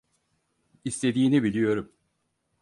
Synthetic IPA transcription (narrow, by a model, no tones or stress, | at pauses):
ist̪ʰe̞d̪iːnibilʲijo̞ɾum